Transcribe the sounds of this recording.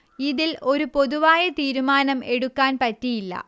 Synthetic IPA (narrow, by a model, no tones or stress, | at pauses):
iðilo̞ɾupo̞ðuʋaːjɐt̪iːɾumaːnɐme̞ɽukːaːnpɐtːijilːɐ̰